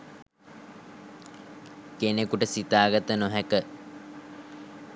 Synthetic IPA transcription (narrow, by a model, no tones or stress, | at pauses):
kenekuʈəsit̪aːɡat̪ənoɦækə